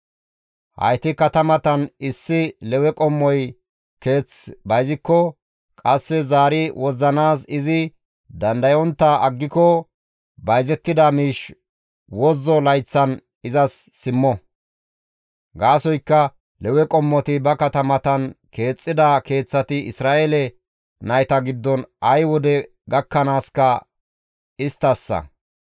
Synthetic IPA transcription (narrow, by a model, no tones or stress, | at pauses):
hɐ̰jt̪ɪkɐt̪ɐmɐt̪ɐnɪsːɪlɛwɛkʼɔmːɔj | ke̞ːt͡sbɐjzɪkːɔ | kʼɐsːɛzaːɾɪwɔzːɐnaːsɪzɪ | d̪ɐnd̪ɐjɔnt̪ːaɐɡːɪkɔ | bɐjzɛt̪ːɪd̪ɐmiːʃ | wɔzːɔlɐjt͡sːɐn | ɪzɐsːɪmːɔ | ɡaːsɔjkːɐ | lɛwɛkʼɔmːɔt̪ɪbɐkɐt̪ɐmɐt̪ɐnke̞ːt͡sʼːɪd̪ake̞ːt͡sːɐt̪ɪɪsɾaːʔelɛ | nɐjt̪ɐɡɪd̪ːɔnʔɐjwɔd̪ɛ | ɡɐkːɐnaːskɐ | ɪst̪ːɐsːɐ̰